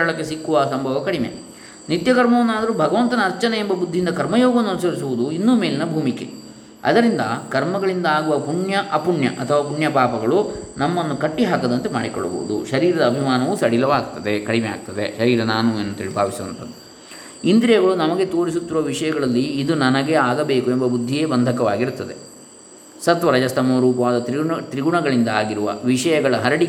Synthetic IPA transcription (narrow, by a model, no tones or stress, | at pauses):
ɐɭɐkːe̞sikːuʋɐsɐmbʱɐʋɐkɐɽimḛ | nit̪jɐkɐɾmɐʋɐnːaːd̪ɐɾubʱɐɡɐʋɐnt̪ɐnɐːɾt͡ʃɐneembɐbud̪ʱːind̪ɐkɐɾmɐjoːɡɐnːɐnusɐɾisuʋud̪uinːuːme̞ːlinɐbʱuːmikḛ | ɐ̰d̪ɐɾind̪ɐkɐɾmɐɡɐɭind̪ɐaːɡuʋɐpuɳjɐʔɐpuɳjɐ̰ʔɐt̪ʰːɐʋaːpuɳjɐpaːpɐɡɐɭunɐmːɐnːukɐʈːiɦaːkɐd̪ɐnt̪emaːɽikɔ̰ɭːɐbo̰ːṵd̪ṵʃɐɾiːɾɐd̪ɐːbʱimaːnɐʋusɐɽilɐʋaːɡ̚t̪ːɐd̪e̞kɐɽimeaːɡ̚t̪ɐd̪e̞ʃɐɾiːɾɐnaːnuenːɐnt̪eiːɭibʱaːʋisɐʋɐ̰nt̪ɐd̪ːu | ind̪ɾijɐɡɐɭunɐmɐɡet̪o̞ːɾis̬ut̪ːiɾuʋɐʋiʂɐjɐɡɐɭɐlːiːd̪unɐnɐɡe̞aːɡɐbe̞ːkuembɐbud̪ʱːijeːbɐnd̪ʱɐkɐʋaːɡiɾut̪ːɐd̪e̞ | sɐt̪ʋɐɾɐd͡ʒɐst̪ʰɐmoːɾuːpɐʋaːd̪ɐt̪ɾit̪ɾiɡuɳɐɡɐɭind̪ɐaːɡiɾuʋɐ̰ʋiʂɐjɐɡɐɭɐɦɐɾɐɽi